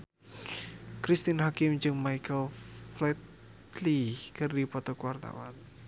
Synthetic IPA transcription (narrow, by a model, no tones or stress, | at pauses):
kɾist̪inɦakɪmd͡ʒɨŋmajkəlflɛt̪ | likɨrdipɔt̪ɔkwart̪a̰wa̰n